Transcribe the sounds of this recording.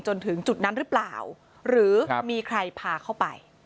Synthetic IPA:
t͡ɕo˧nt̪ʰɯ˩˦ŋt͡ɕu˨˩t̪̚na˦˥nɾɯ˦˥pla̰ː˨˩w | ɾɯː˩˦miː˧kʰɾa˧jpʰaː˧kʰa˥˩wpa̰˧j

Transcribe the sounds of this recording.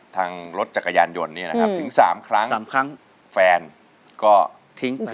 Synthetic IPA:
t̪ʰaː˧ŋɾo˦˥t̪̚t͡ɕa˨˩k̚ːa˧ja̰ː˧njo˧nːiː˥˩na˦˥a˦˥pt̪ʰɯ˩˦ŋsaː˩˦mkʰɾa˦˥ŋsaː˩˦mkʰɾa˦˥ŋ | fɛː˧n | kɔː˥˩ | t̪ʰi˦˥ŋ

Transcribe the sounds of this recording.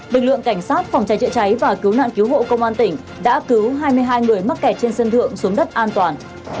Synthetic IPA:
lɨ˨˩k̚lɨ̰˧˨əŋka˧˩jŋ̟saː˦˥t̚fɔ˨˩wŋ͡mt͡ɕa˨˦jt͡ɕə̰˧˨t͡ɕa˨˦jvaː˨˩ki˨˦wna̰ː˧˨nki˨˦wɦo̰˧˨kə˧wŋ͡mʔaː˧nt̪ï˧˩ŋ̟ | ɗa̰ː˧˥kɨ˨˦wɦaː˧jmɨ˧əjɦaː˧jŋɨ˨˩əjma˦˥t̚kɛ˨˩t̚t͡ɕe˧nsə˧nt̪ʰɨ̰˧˨əŋsu˨˦ŋ͡mɗə˦˥t̚ʔaː˧nt̪waː˨˩n

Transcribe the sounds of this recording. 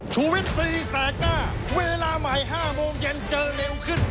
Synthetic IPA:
t͡ɕʰuː˧wi˦˥t̪̚ːiː˧saː˨˦kaː˥˩ | weː˧laː˧ma˩˦jɦaː˥˩moː˧ŋje˧nt͡ɕɤː˧leː˧wkʰɯ˥˩n

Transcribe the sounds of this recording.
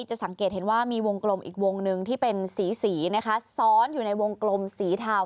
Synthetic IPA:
t͡ɕa˨˩ʔsa˩˦ŋkeː˨˩t̪̚he˩˦nwaː˥˩miː˧wo˧ŋklo˧mʔḭː˨˩k̚wo˧ŋnɯ˧ŋt̪ʰiː˥˩pe˧nsiː˩˦siː˩˦na˦˥kʰa˦˥sɔː˦˥njuː˨˩na˧jwo˧ŋklo˧msiː˩˦t̪ʰaː˧w

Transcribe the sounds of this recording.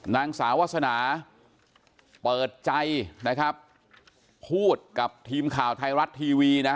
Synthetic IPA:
naː˧ŋsaː˩˦wa˦˥t̪̚sa˧naː˩˦ | pɤː˨˩t̪̚t͡ɕa˧jna˦˥kʰɾa˦˥p̚ʰ | uː˥˩t̪̚ka˨˩p̚t̪ʰiː˧mkʰaː˨˩wt̪ʰa˧jɾa˦˥t̪ʰːiː˧wiː˧na˦˥

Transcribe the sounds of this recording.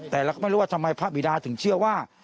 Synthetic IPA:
t̪ɛː˨˩ɾa˧kɔː˥˩m˥˩ɾu˦wa˥˩tʰa˧ma˧jpʰa˦˥bi˨˩daː˧t̪ʰɯ˩˦ŋt͡ɕʰɯ˥˩ɐwaː˥˩

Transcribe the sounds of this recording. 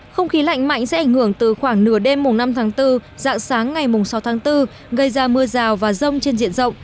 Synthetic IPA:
xə˧wŋ͡mxi˨˦la̰˧˨jŋ̟ma̰˧˨jŋ̟sɛ̰˧˥ʔa˧˩jŋ̟hɨ˧˩əŋt̪ɨ˨˩xwaː˧˩ŋnɨ˧˩əɗe˧mːʊ˨˩ŋ͡mna˧mt̪ʰaː˨˦ŋt̪ɨ˧za̰ː˧˨ŋsaː˨˦ŋːa˨˩jmʊ˨˩ŋ͡msa˨˦wt̪ʰːŋt̪ɨ˧ | ɣə˧jzaː˧mɨ˧əzaː˨˩wvaː˨˩zə˧wŋ͡mt͡ɕe˧nzḭ˧˨ənzə̰˧˨wŋ͡m

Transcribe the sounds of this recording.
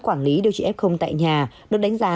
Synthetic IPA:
kwaː˧˩nli˨˦ɗwt͡ɕi˧˩ʔɛ˦˥p̚xə˧wŋ͡mt̪a̰ː˧˨jɲaː˨˩ | ɗɨ˦˥t̚ɗa˨˦ŋ̟zaː˨˦

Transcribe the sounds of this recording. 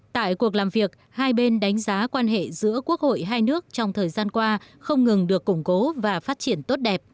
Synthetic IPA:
t̪a̰ː˧˨jku˨˩ək̚laː˨˩mvi˨˩ək̚ | haː˧jɓe˧nɗa˨˦jŋ̟zaː˨˦kwaː˧nɦḛ˧˨zɨ̰˧˥əku˦˥ək̚ho̰˧˨jɦaː˧jnɨ˦˥ək̚t͡ɕɔ˧wŋ͡mt̪ʰəː˨˩jzaː˧nkwaː˧ | xə˧wŋ͡mŋɨ˨˩ŋɗɨ˨˩əkːʊ˧˩ŋ͡mko˨˦vaː˨˩faː˦˥t̚t͡ɕi˧˩ənt̪o˦˥t̚ɗɛ˨˩p̚

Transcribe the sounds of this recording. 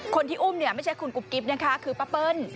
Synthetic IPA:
kʰo˧nt̪ʰiː˥˩ʔuː˥˩mni˥˩ɐma˥˩jt͡ɕʰa˦˥˩jkʰu˧nku˨˩p̚ki˨˦˥p̚na˦˥kʰa˦˥kʰɯː˧pa˧˥pɤ˧n

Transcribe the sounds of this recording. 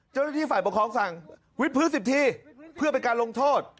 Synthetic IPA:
t͡ɕa˥˩wna˥˩iː˥˩faː˨˩po˨˩kʰɔː˧˦ŋsa˨˩ŋ | wi˦˥t̪̚pʰɯː˦˥nsi˨˩t̪ʰiː˧pʰɯ˥˩ɐpe˧nkaː˧nlo˧ŋt̪ʰoː˥˩t̪̚

